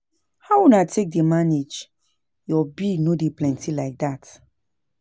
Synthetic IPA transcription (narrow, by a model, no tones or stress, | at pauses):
hawunatʰek̚demaned͡ʒ | jɔbinodeplɛ̃ntʰilaɪk̚dat